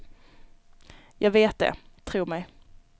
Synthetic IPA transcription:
jʔɑːɡveːt̪̚d̪ɛ̰t̪ʰɾuːɾmɛj

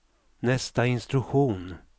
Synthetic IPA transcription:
nɛst̪aɪnst̪ɾɵɧuːn

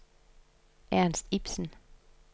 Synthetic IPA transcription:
ʔæɐnsd̥ib̥sən̩

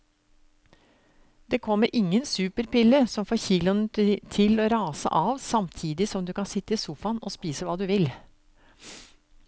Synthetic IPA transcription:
d̪̥eːkʰɔmːəɾʔɪŋːənsʉːpəɾpɪlːəsɔmfoːɾçiːlʊnət̪ʰɪloːɾɑːsə̰ʔɑːʋsɑmt̪ʰiːd̪ɪsɔmd̪ʉːkɑnsɪt̪ːəɪsuːfɑnɔ̰spiːsəʋɑːd̪ʉʋɪl

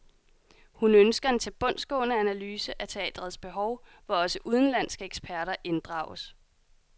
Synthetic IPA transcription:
hunønsɡ̥ɐe̝nt͡sʰeb̥ɔ̽n̰sɡ̥ɔ̰ːnəænælyːsəʔæt͡sʰe̝ɛ̰ːd̥ʁɐð̞̩ˠsb̥e̝ɦɒʊʋɒɒ̽səʔuð̞ˠn̩læn̰sɡ̥əeɡ̥sb̥ʰæɐɾɐʔe̝nd̥ʁɑ̰̈ʊəs

